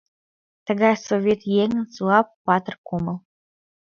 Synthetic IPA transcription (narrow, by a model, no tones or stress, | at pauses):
t̪ə̆ɡɑsovʲet̪jeŋənt͡suɑpːɑt̪ərkoməlˠ